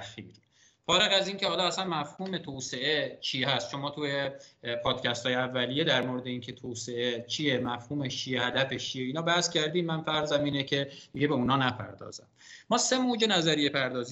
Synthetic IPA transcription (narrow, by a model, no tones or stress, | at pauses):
æximid̪im | fɒːɾeɣæziːŋce̞hɒːlɒːæsænmæfhuːme̞t̪ʰoːseʔet͡ʃʰiːhæst̪ʃo̞mɒːt̪ʰujepʰɒːd̪̥cʰæst̪ɒːjeævːælijed̪æɾmoɾed̪e̞iːncʰe̞t̪ʰoːse̞et͡ʃʰije̞mæfhuːmet͡ʃʰijehæd̪æfet͡ʃʰieiːnɒːbæhscʰæɾd̪iːmːænfæɾzæmiːnecʰe̞d̪̥iɟebeunɒːnæpʰæ̰ɾd̪ɒ̰ːzæ̰mː | ɒːse̞moːd͡ʒenæzæɾijepʰæɾd̪ɒːzi